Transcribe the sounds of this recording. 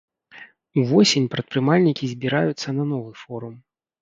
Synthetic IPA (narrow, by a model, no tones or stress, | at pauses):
uvɔsʲenʲpɾɐt̪̚pɾɨmalʲnʲikʲizʲbʲiɾajut̪sːɐnɐn̪ɔvɨfɔɾum